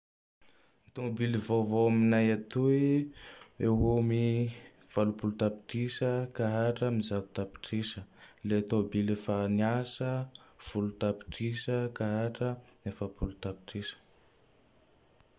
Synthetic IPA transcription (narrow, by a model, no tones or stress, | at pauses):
t̪obilivovoaminajat̪ui | ewomi | v̥alupulut̪api̥ʈ͡ʂisəkaɦaʈ͡ʂəmizabu̥t̪api̥ʈ͡ʂisəlet̪obilefaniasəv̥ulut̪api̥ʈ͡ʂisəkaɦaʈ͡ʂəefapulut̪api̥ʈ͡ʂisə̥